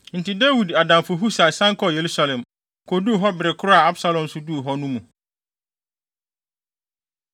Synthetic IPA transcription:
n̩˨ti˨de˦wi˨da˨dã˨mfʊ˨ɦu˦sa˨sã˦ŋ˦kʰɔ˦˨je˨ɾu˦sa˦lɛ̃˨m | kʰo˨du˦˨ɦɔ˦bɪ˨ɾɪ˨kʰʊ˦ɾa˨a˦bsa˦lɔ̃˨n̩˦sʊ˦du˦˨ɦɔ˦nũ˦mũ˨

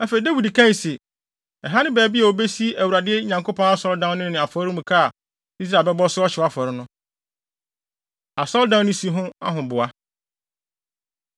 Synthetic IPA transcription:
æ˦fe˨i˨dæ˦wi˨dkʰã˦˨se˨ | ɛ˨ɦa˦nɪ̃˦bɛː˨˦˨bi˦a˨o˨be˦si˦æ˨wu˨ɾa˨dɪ˦ɛ˦ɲã˨ŋkʰo˦pʰɔ̃˦na˦sɔ˦ldã˦n˦nɪ̃˦nɪ̃˨a˨fɔ˨˦ɾʊ̃˦mũ˨kʰa˦˨ | i˦s̬ɾa˨lbɛ˦bɔ˦sʊ˦ɔ˦ɕɪ˨˦a˦fɔ˨ɾɪ˦nʊ̃˦ | a˨sɔ˦ldã˦nʊ̃˦si˨˦ɦʊ̃˦a̰˦ɦʊ̃˨bʊ˨a˦

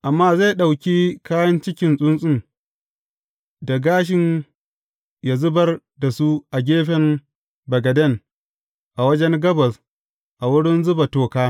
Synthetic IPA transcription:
ʔa˨mːaː˦za˦˨ɗa˨wkʲi˦kaː˦jɐ˦nt͡ʃɪ˦kʲɪ˦nsʼʊ˦nsʼɪ˦n | da˨ɡaː˦ʃ̬ɪ˨n | ja˨zʊ˦bɐ˦r | da˨su˦ʔa˨ɡʲeː˦ɸɛ˨m | bɐ˨ɡɐ˨dɐ˦˨n | ʔa˨wɐ˦d͡ʒɛ˦ŋɡɐ˦bɐ˨s | ʔa˨wʊ˦ɽɪ˦nzʊ˦ba˨toː˨kaː˦

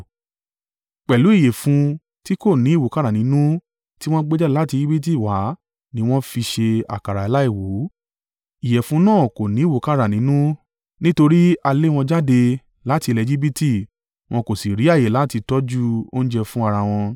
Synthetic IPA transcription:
k͡pɛ˨lu˨˦i˦˨je˨fũ˧ | ti˦ko˦˨nĩ˨˦i˦˨wo˨ka˦ɾa˨nĩ˨˦nũ˦ | ti˦w̃ɔ̃˦ɡ͡be˦d͡ʒɛ˦la˦ti˧d͡ʒi˦bi˦t̬i˦˨wa˨˦ | nĩ˧w̃ɔ̃˦fi˧ʃe˧a̰˨ka˨ɾa˨i˨˧la˦i˦˨wu˨˦ | i˨jɛ˨fũ˨˧˦nãː˦˨ko˨nĩ˨˦i˦˨wo˨˦ka˦ɾa˨nĩ˨˦nũ˦ | nĩ˦to˧ɾi˦a˧le˦w̃ɔ̃˧d͡ʒa˦de˧ | la˦ti˧le˨˧˨d͡ʒi˦bi˦ti˦˨ | w̃ɔ̃˧ko˨si˨ɾi˨˦a˦˨je˨la˨˦ti˧tɔ˦d͡ʒu˦o˦ñ̩˦d͡ʒɛ˧fũ˦a˧ɾa˧w̃ɔ̃˧

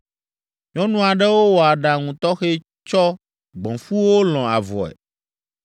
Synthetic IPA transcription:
ɲɔ̃˦nũ˦a˨ɖɛ˦wo˦wɔ˨a˨ɖa˨ŋũ˨t̪ɔ˦xe˦ | t͡ʃɔ˦ | ɡ͡bɔ̃˨fu˦wo˦lɔ̃˨a̰˨vɔ̰˨ɛ̰˨

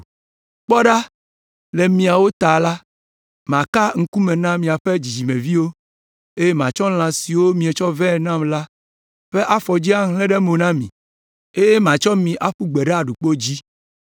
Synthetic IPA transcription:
k͡pɔ˦ɖa˦ | le˨mĩ˨a˨wo˦t̪a˨la˦ | mã˨ka˦ŋ̩˦ku˦mɛ̃˨nã˦mĩ˨a˨ɸe˦d͡ʑi˨d͡ʑi˨mẽ˨vi˦wo˦ | e˦je˦mã˨t͡ʃɔ˦l̃ã˨si˨wo˦mĩ˨e˨t͡ʃɔ˦vɛ̃˦˨nã˦mla˦ | ɸe˦ʔa˦fɔ˨d͡ʑi˦a˦ɦlɛ̃˦ɖɛ˦mõ˨nã˦mḭ̃˨ | e˦jɛ˦mã˨t͡ʃɔ˦mĩ˨ʔa˦ɸu˦ɡ͡bɛ˨ɖɛ˦a˨ɖu˨k͡po˦d͡ʑi˦

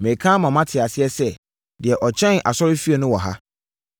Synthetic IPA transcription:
mẽ˨kʰã˦mã˨mã˦tʰɪ˨a˨sɪ˦ɛ˦sɛ˦ | dɪ˨ɛ˨ʔɔ˨t͡ɕʰɛ̃˦nʔa̰˨sɔ˦ɾɪ˦fi˦e˨nʊ̃˦wɔ˨ɦa̰˦

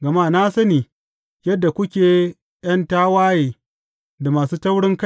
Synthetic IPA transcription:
ɡɐ˨ma˦˨na˦sɐ˦niː˨ | jɐ˦dːa˨kʷʊ˦kʲeː˨ | j̰ɐ˦ntaː˦waː˦jeː˨ | da˨maː˨suː˦tɐ˦wɽɪ˦ŋka˦˨

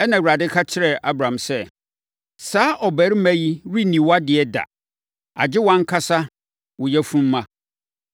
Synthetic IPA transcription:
ɛ˦nã˨wɾa˨dɪ˦kʰa˦t͡ɕʰɪ˦ɾɛ˨a˦bɾã˨msɛ˦ | saː˦ʔɔ˨bɛ˨˦ɾmæ̃˦ji˦ɾi˦nĩ˨wa˦dɪ˨ɛ˦da̰˨ | a̰˨d͡ʑɪ˦wã˦ŋ˦kʰa˦sa˦ | wʊ˨jɛ˦fũ˦m̩ː˦ã˦

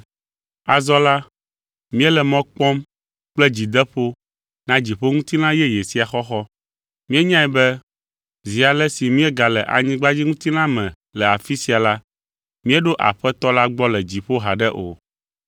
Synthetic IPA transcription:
a˨zɔ˦la˦ | mĩ˦ɛ˦lɛ˨mɔ̃˦k͡pɔ̃˦m | k͡plɛ˦d͡ʑi˨d̪ɛ˦ɸo˦ | nã˦d͡ʑi˨ɸo˦ŋũ˦t̪i˦lã˦jɛ˦je˨si˦a˨xɔ˦xɔ˦ | mĩ˦ɛ˦ɲã˦ɛ˨bɛ˦ | zi˨a˨lɛ˦si˨mĩ˦ɛ˦ɡa˨lɛ˨ʔa̰˨ɲĩ˦ɡ͡ba˦d͡ʑi˦ŋũ˦t̪i˦nã˦mɛ̃˨ | lɛ˨a˨fi˦si˦a˨la˦ | mĩ˦ɛ˦ɖo˦ʔa̰˨ɸɛ˦t̪ɔ˦la˦ɡ͡bɔ˦lɛ˨d͡ʑi˨ɸo˦ɦa˨ɖɛ˦ʔo̰˨

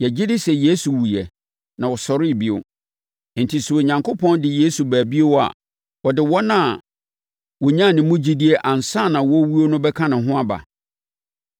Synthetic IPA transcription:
jɛ˨d͡ʑi˦dɪ˦sɛ˨je˦su˨wu˨jɛ˨ | nã˨wɔ˨sɔ˨ɾɪ˦˨bi˦˨o̰˨ | n̩˨tʰi˨su˨o˨ɲã˨ŋkʰo˦pʰɔ̃˦ndɪ˨je˦su˨bæː˨bi˦e˦wɔ˦a̰˨ | wɔ˨dɪ˨wɔ˦nã˦˨ | wɔ˨ɲã˦˨nɪ̃˨mʊ̃˦d͡ʑi˦di˦e˦ʔã˨n̩˨sa˦˨nã˨wɔ˦wu˦o˦nʊ̃˦bɛ˦kʰã˦nʊ̃˨ɦʊ̃˦a˦ba̰˨

